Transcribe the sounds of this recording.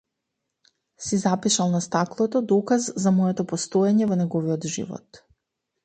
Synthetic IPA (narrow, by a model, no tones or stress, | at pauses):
sizapiʃalˠnast̪aklˠot̪od̪okazːamojet̪opost̪ojeɲeuneɡoʋiod̪ʒḭʋo̰t̪